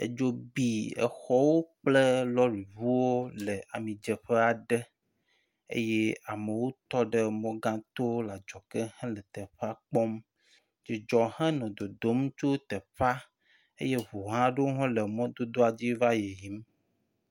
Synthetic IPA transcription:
ḛ˨d͡ʒo˦bi˨ɛ̰˨xɔ˦wo˦k͡plə˦lɔ˦ɾi˨βu˦wo˦lə˨a˨mĩ˨d͡ʒə˨ɸə˦a˨ɖə˦ | ḛ˦je˦a˨mə˨wo˦t̪ɔ˦ɖə˦mɔ̃˦ɡã˦t̪o˦la˨d͡ʒɔ˨kə˦hɛ̃˦lə˨t̪ə˨ɸa˦k͡pɔ˦m | d͡ʒi˨d͡ʒɔ˨ɦɛ̃˦nɔ̃˨d̪o˨d̪o˨˦m˦t͡ʃo˦t̪ə˨ɸa˦ | ḛ˦je˦βo˨ɦã˦ɖe˦wɦɔ̃˦lə˨mɔ̃˦d̪o˦d̪o˦a˨d͡ʑi˦va˦je˨ji˨˦m

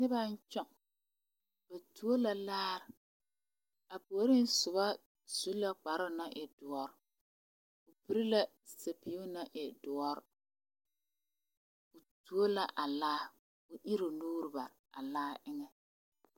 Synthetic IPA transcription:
nɪ˦ba˦n˦t͡ʃɔ˦ŋ | b̥a˨tu˨o˦la˨laː˦ɾ | a˨pu˨o˨˦ɾi˦n˦sʊ˨ba˦ | su˨˦la˦k͡pa˨ɾʊ˦na˦ʔɪ˨dʊ˨ɔ˦ɾ | ʊ˨pi˨ɾi˦la˦ | sa˨pi˨u˦na˦ʔɪ˨dʊ˨ɔ˦ɾ | ʊ˨tu˨o˦la˨ʔa˨laː˦ | ʊ˨ʔɪ˦ɾʊ˨luː˦ɾɪ˨ba̰˨ | a̰˨laː˦ʔɪ˦ŋɛ˨

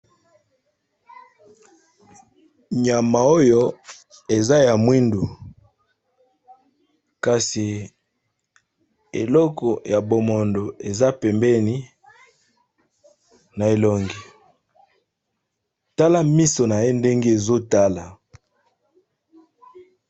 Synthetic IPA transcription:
ɲa˨ma˨o˦jo˦ | e˨za˦ja˨mwi˦ndu˨ | ka˨si˨ | ḛ˨lɔ˦kɔ˨ja˨bo˨mo˨ndo˨e˨za˦pɛ˨mbɛ˦ni˦ | na˨e˨lo˨ŋɡi˨ | ta˦la˦mi˦so˨na˨je˦nde˦ŋɡe˦e˨zo˦ta˦la˨

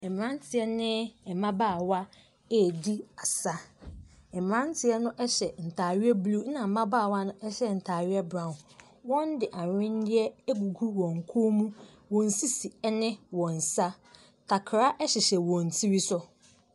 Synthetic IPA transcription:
ɛ˨m˨ɾã˦n˦tʰɪ˨ɛ˦nɪ̃˦ɛ˨mã˦baː˦˨wa˦ | e˦˨di˦a˨sa˦ | ɛ˨m˨ɾã˦n˦tʰɪ˨ɛ˦nʊ̃˦ʔɛ˦ɕɛ˨n̩˨tʰaː˨ɥɪ˦ɛ˦blu˦nã˨mã˦baː˦˨wa˦nʊ̃˦ʔɛ˦ɕɛ˦n̩˨tʰaː˨ɥɪ˦ɛ˦bɾã˨n˨ | wɔ̃˦n˦dɪ˨ʔa˨ɲɪ̃˦n˦dɪ˦ɛ˦ɡu˨ɡu˦wɔ̃˨ŋ˨kʰo˦mũ˦ | wɔ̃˨n̩˨si˦si˨ɛ˦nɪ̃˦wɔ̃˨n̩˨sa˦ | tʰa˨kʰɾa˦ʔɛ˦ɕɪ˨ɕɛ˨wɔ̃˨n̩˨tʰi˦wi˦sʊ˦

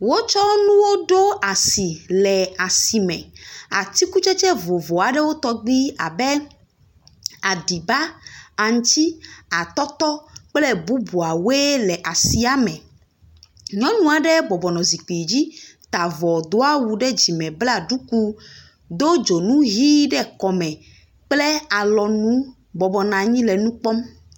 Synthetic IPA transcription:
wo˦t͡ʃɔ˦nũ˦wo˦ɖo˦a˨si˨lɛ˨a˨si˨mɛ̰̃˨a̰˨t̪i˦ku˦t͡ʃɛ˦t͡ʃɛ˦vo˨vɔ˨a˨ɖɛ˦wo˦t̪ɔ˦ɡ͡bi˦a˨bɛ˦ | a˨ɖi˨ba˦a˨ŋ̩̃˦t̪i˦a˨t̪ɔ˦t̪ɔ˦k͡plɛ˦bu˦bu˨a˨we˦lɛ˨ʔa˨si˦a˨mɛ̃˨ | ɲɔ̃˦nũ˦a˨ɖɛ˦bɔ˨bɔ˨nɔ̃˨zi˨k͡pi˨d͡ʑi˦t̪a˨vɔ˨d̪o˦a˦wu˨ɖɛ˦d͡ʑi˨mɛ̃˨bla˦˨ɖu˦ku˦ | d̪o˦d͡ʒo˨nũ˦ɦi˦ɖɛ˦kɔ˨mɛ̃˨ | k͡plɛ˦a˨lɔ˨nũ˦ | bɔ˨bɔ˨nã˨ɲĩ˦lɛ˨nũ˦k͡pɔ˦m

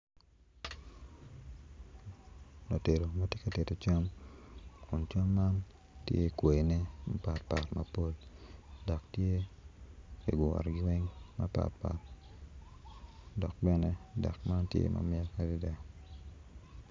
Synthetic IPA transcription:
no˨te˨ɾo˨ma˦tje˦ka˨te˨to˨t͡ʃa˦m | kʊ˨nt͡ʃa˦mːa˦n | tje˦kwe˨nɛ˦ma˦pa˨tpa˨tmɐ˨po˦ldɔ˨ktje˦ | i˨ɡʊ˨a̰˨ɾɡɪ˦we˦ŋma˦pa̰˨t̚pa̰˨t | dɔ˨k̚bɛ˦nɛ˦dɔ̰˨kma˦ntjḛ˦ma̰mɪ˦a˦ka˦di˦dɛ˨

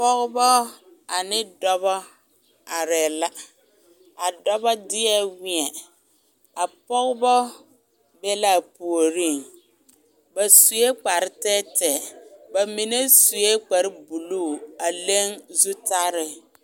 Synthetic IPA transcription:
pɔ˦ɣʊ˦bɔ˦ | a˨nɪ˦dɔ˦bɔ˦ | a˨ɾɛ˨la˦ | a˨dɔ˦bɔ˦dɪ˦ɛ˦wɪ˦ɛ˨ | a˨pɔ˦ɣɪ˦bɔ˦ | bɛ˦la˦˨pu˨o˨ɾi˦˨ŋ | ba˨su˨je˦k͡pa˨ɾɪ˦tɛ˦tɛ˨ba˨mi˨ne˦su˨je˦k͡pa˨ɾɪ˦bu˨luː˦˨a˨le˦ŋzu˦ta˦ɾɪ˦

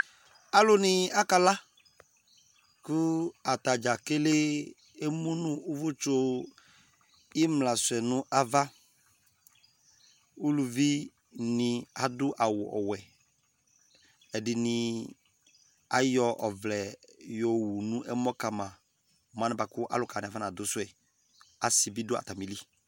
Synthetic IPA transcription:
a˨lʊ˦nɪ̃˨a˦ka˨la˦ | kʊ˦a˨t̪a˨d͡ʒa˨ke˦le˦ | e˦mũ˦nʊ̃˦ʊ˦vʊ˦t͡ʃo˦ | ɪ˦mlã˨sʊ˨ɛ˨nʊ̃˦ʔa˨va˦ | u˦lu˨vi˦ | nɪ̃˨a˨dʊ˦ʔa˨wʊ˨ʔɔ̰˨wɛ˨ | ɛ˨dɪ˨nɪ̃˨ | a̰˨˦jɔ˦ʔɔ˨vlɛ˨jɔ˨wu˨nũ˦ʔɛ˦mɔ˦ka˨mã˨ | mã˨nɪ˦ba˨kʊ˦ʔa̰˦lʊ˨ka˨nɪ˨a˨va˦n˨a˨dʊ˨˦sʊ˦ɛ˨ | a˨sɪ˨bi˦dʊ˦a̰˨ta˨mi˨li˦

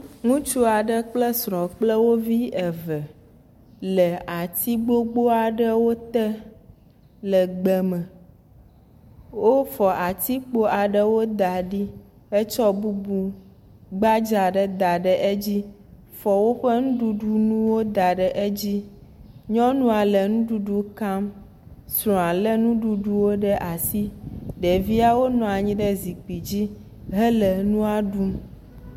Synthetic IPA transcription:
ŋũ˦t͡ʃu˦a˨ɖə˦k͡plə˦sɾɔ̃˨k͡plə˦wo˦vi˦ɛ˨və˨ | lə˨a˨t̪i˦ɡ͡bo˦ɡ͡bo˦a˨ɖə˦wo˦t̪ɛ˦ | lə˨ɡ͡bɛ˨mə˨ | wo˦fɔ˨ʔa˨t̪i˦k͡po˦a˨ɖə˦wo˦d̪a˨ɖi˦ | e˦t͡ʃɔ˦bu˦bu˦ | ɡ͡ba˦d͡ʒa˨ɖɛ˦d̪a˨ɖɛ˨ʔe˦d͡ʑi˦ | fɔ˨wo˦ɸe˦ŋũ˦ɖu˦ɖu˦nũ˦wo˦d̪a˨ɖɛ˨ʔe˦d͡ʑi˦ɲɔ̃˦nũ˦a˨lɛ˨nũ˦ɖu˦ɖu˦ka˦m | sɾɔ̃˨a˨lɛ˦nũ˦ɖu˦ɖu˦wo˦ɖɛ˦ʔa˨si˦ɖe˨vi˦a˦wo˦nɔ̃˨a˨ɲĩ˦ɖɛ˦zi˨k͡pi˨d͡ʑi˦ | ɦɛ˦lɛ˨nũ˦a˦ɖu˦m

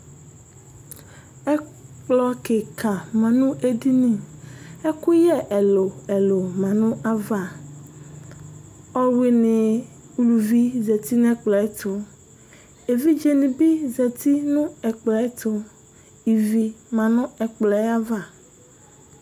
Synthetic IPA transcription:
ɛ˦k͡plɔ˦ke˨kʰa˨mã˨nũ˦ʔe˦di˦nĩ˨e˦ku˦jɛ˦ʔɛ˨lo˨ɛ˨lo˨mã˨nũ˦ʔa˦va˨ | ɔ˦we˦nẽ˨ | u˦lu˨vi˦ze˨t̪i˦n˦ɛ˦k͡plɔ˨ɛ˦t̪ʰo˨ | e˨vi˦d͡ʒe˨nĩ˨bi˦zɛ˨t̪i˦nũ˦ɛ˨k͡plɔ˨˦ɛ˦t̪o˦ | i˨vi˦mã˨nʊ̃˦ɛ˨k͡plɔ˨˦a˦va˨

